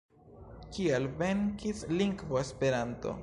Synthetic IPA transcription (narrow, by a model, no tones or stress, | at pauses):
kialve̞ŋkisliŋɡvoespe̞ɾanto̞̰